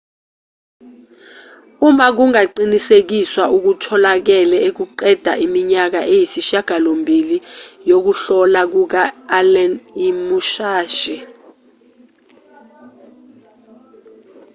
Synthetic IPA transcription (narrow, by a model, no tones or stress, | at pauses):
umak̬uŋaǃinisek̬iswaʔuk̬utʰɔlak̬ɛlɛek̬uǃɛd̥ʱa̰ʔimiɲak̬a̰ʔejisiʃaɡ̥ʱalombʱilijok̬uɬɔlak̬uk̬aːlɛnimuʃaːʃɛ